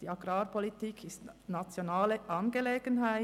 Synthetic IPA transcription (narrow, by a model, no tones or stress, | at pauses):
d̥iːɑɡ̥ʁaːɾpʰɔlitiːkʰɪstnat͡sjonaːləʔɑnɡəleːɡənɦæɪ